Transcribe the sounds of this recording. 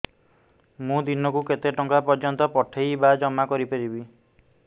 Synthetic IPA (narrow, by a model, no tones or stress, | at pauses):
mũd̪inɔkuket̪eʈɔŋkapɔɾd͡ʒɔnt̪ɔpɔʈʰejbad͡ʒɔmːakɔɾipaɾibi